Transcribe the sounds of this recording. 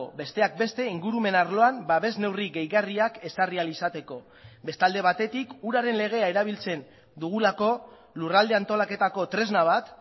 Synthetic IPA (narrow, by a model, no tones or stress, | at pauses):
obe̞st̪e̞ak̚be̞st̪e̞iŋɡuɾume̞naɾlo̞ambaβe̞zne̞wriɣe̞jɣariake̞sarialisat̪e̞ko̞ | be̞st̪ald̪e̞βat̪e̞t̪ikuɾaɾe̞nle̞ɣ̞e̞ae̞ɾaβ̞ilt͡se̞n | d̪uɣ̞ulako̞ | lurald̪e̞ant̪o̞lake̞t̪ako̞t̪ɾe̞znaβ̞at̪